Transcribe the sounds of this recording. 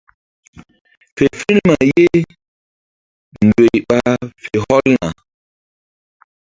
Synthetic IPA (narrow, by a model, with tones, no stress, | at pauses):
fe˨fi˦nma˨je˦ | n̩˨dwe˨jɓa˦fe˨hɔ˦lna̰˨